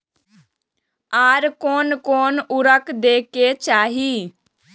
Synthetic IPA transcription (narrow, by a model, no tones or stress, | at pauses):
aːɾkoːnkoːnʊɾəkd̪eːkeːt͡ʃaːɦiː